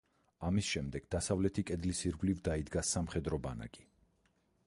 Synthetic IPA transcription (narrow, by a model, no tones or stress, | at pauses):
amisʃɛmd̪ɛɡ̥d̪asavlɛt̪ʰikʼɛd̪lisiɾɡlivd̪aid̪ɡasːamχɛd̪ɾɔbana̰kʼi